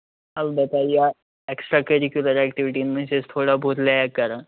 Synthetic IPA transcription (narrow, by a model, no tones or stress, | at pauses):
alb̪ət̪aja | eksʈɾakəɾikjuləɾækʈiʋiʈiːnm̤əɳsest̪ʰoɽabʱoɾljajakːaɾa